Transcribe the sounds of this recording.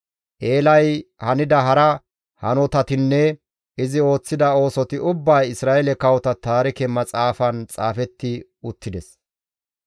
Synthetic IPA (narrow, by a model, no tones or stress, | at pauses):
ʔe̞ːlɐjhɐnɪd̪ɐɦɐɾɐ | hɐnɔt̪ɐt̪ɪnːɛ | ɪzɪo̞ːt͡sːɪd̪ɐo̞ːsɔt̪ɪʊbːɐjɪsɾaːelɛkɐwɔt̪ɐt̪aːɾɪkɛmɐt͡sʼaːfɐnt͡sʼaːfɛt̪ːɪ | ʊt̪ːɪd̪ɛs